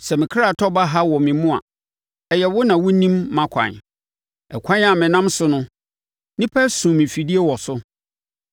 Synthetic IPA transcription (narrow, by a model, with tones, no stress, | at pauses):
sɛ˨mɪ̃˨kʰɾa˨tʰɔ˦ba˦ɦa˦wɔ˨mɪ̃˨mʊ̃˦a̰˨ | ɛ˨jɛ˨wʊ˦nã˨wʊ˦nĩ˦mːã˦kʷʰã̰˨n | ɛ̰˨kʷʰã˦n˦a˨mɪ̃˨nã˦msʊ˦nʊ̃˦ | nĩ˦pʰɛ˦sũ˨mɪ̃˨fi˨di˦e˦wɔ˨sʊ˦